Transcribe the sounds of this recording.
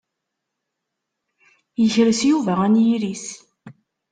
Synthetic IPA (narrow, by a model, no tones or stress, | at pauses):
jəçɾəsjuvæʁænjiɾis